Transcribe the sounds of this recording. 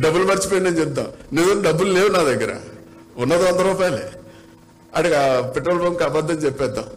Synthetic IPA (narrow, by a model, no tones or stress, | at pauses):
ɖɐbːulmɐɾit͡ʃipojinːɐnd͡ʒɛp̚d̪a̰mned̪unɖɐbːulleːwunaːd̪ɐɡːɐɾɐ̰ | unːɐd̪iɐnd̪ɐɾuːpaːjle | ɐ̰ɽɐɡapeʈːɾoːlboːmkaːbad̪ːɐnt͡ʃɛpːɛːd̪ːam